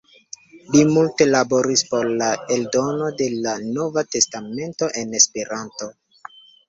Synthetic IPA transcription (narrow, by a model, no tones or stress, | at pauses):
limulte̞labo̞ɾispo̞ɾlae̞ldo̞no̞de̞lano̞vate̞stame̞nto̞ʔe̞ne̞spe̞ɾanto̞